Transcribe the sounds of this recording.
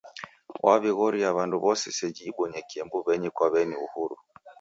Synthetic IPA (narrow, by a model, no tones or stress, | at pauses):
wʔa̰βiɣɔɾijaβanduβɔsɛsɛd͡ʒiːɓɔɲɛkiɛmbuβɛɲikwaβɛniuhuɾu